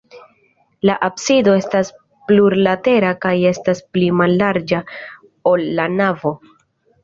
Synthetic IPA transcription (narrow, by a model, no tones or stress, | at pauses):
laʔabsido̞e̞stas | pluɾlate̞ɾakaje̞stasplimalːaɾd͡ʒa | o̞lːanavo